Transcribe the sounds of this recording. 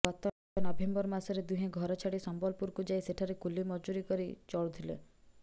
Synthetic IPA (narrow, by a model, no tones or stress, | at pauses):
ɡɔt̪ɔ | ɔnɔbʱembɔɾmasɔɾed̪uɦẽɡʱɔɾɔt͡ʃʰaɽisɔmbɔlpuɾkud͡ʒajseʈʰaɾekulimɔd͡ʒuɾikɔɾḭt͡ʃɔɭut̪ʰilḛ